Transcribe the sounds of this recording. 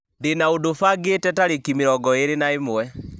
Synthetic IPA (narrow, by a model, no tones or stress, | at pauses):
ndenaodofaɡetɛtaɾekimeɾɔɡɔeɾenaemwɛ